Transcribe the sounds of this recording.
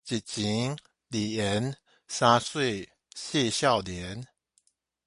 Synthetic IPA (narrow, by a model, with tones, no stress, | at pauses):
t͡ɕi˨˩t̚t͡ɕi˨˦ŋ | li˨˩ɛ˨˦n | sa˧swe˥˧˨ | ɕjɛ˥˧ɕja˥˨ʊljɛ˨˦n